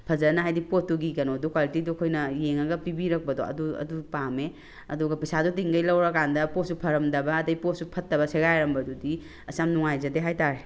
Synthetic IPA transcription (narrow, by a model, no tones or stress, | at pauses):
pʰɐzɐɾnɐɦajdipotːuɡikɐnodukwalitidukʰojnɐjeŋɐɡɐpibiɾɐk̚bɐdo̰ɐ̰duɐ̰dupame | ɐ̰duɡɐpɐjsadut̬iŋɡɐjlɐwɾɐkandɐposupʰɐɾɐmdɐbɐːdɐjposupʰɐtːɐbɐseɡajɾɐmbɐdudi | ɐsamnuŋajzɐdeɦajtaɾe